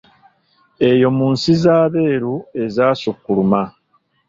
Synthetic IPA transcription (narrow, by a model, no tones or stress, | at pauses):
e̞jo̞muːnsizaːβe̞ːɾue̞zaːsukːuluma